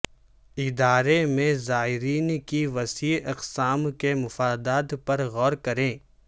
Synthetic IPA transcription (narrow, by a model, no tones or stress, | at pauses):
ɪd̪aːɾemẽzaːɦɪɾiːnkiʋɐsiːʔɐqsaːmkemʊfaːd̪aːt̪pɐɾɣɔːɾkɐɾẽː